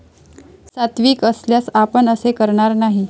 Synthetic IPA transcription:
sat̪ʋiːkəsljasapəɳəsekəɾɳaɾnaɦi

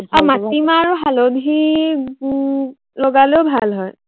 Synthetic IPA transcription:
amatimaɹuɦalobʱi | lɔɡaleʊbʱalɦɔj

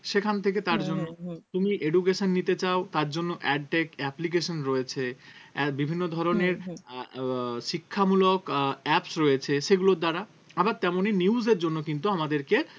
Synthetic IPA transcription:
ʃekʰant̪ʰek̬et̪aɾd͡ʑonːot̪umiʔeɖuk̬eʃonːit̪et͡ɕaot̪aɾd͡ʑonːoʔɛɖ̚ʈekɛplik̬eʃonɾoet͡ɕʰeɛbibʱinːod̪ʱɔɾoneɾ | ʃikʰːamulokɛpsɾojet͡ɕʰeʃeɡulod̪aɾa | abaɾt̪ɛmoniniuzeɾd͡ʑonːokint̪uamad̪eɾke

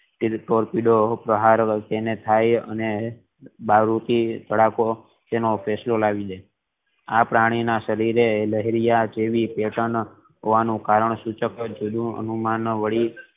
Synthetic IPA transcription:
ʈʈoɾpiɖopɾəɦaɾt̪enet̪ʰajə̰ne | baɾut̪it̪əɽako | t̪enopʰeslolaʋid̪e | apɾaɽ̃inaʃəɾiɾeləɦiɾijad͡ʒeʋipeʈəɳ | ɦoʋanũkaɾəɳsut͡ʃəkəd͡ʒod̪ũə̰numanʋəɭi

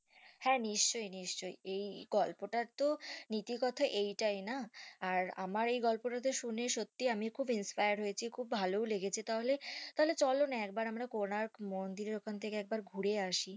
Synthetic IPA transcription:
hɛniʃt͡ɕojniʃt͡ɕojejɡɔlpoʈaɾt̪onit̪ikɔt̪ʰoʔejʈajnaːɾa̰maɾejɡɔlpoʈad̪eɾʃuneʃot̪ːiamikʰubinspajaɾɦojet͡ɕʰikʰubbʱalowleɡet͡ɕʰit̪aɦolet̪aɦolet͡ɕɔlonaɛk̚baɾamɾakonaɾmond̪iɾeɾokʰant̪ʰekeɛk̚baɾɡʱuɽeaʃi

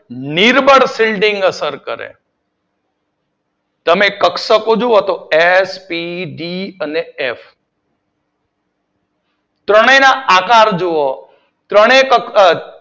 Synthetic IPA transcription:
niɾbəɽsilɖiŋɡəsəɾkə̰ɾḛ | t̪əmekəksəkod͡ʒuot̪oespiɖiəneef | t̪ɾəɽ̃enaakaɾd͡ʒoo | t̪ɾəɽ̃ekə

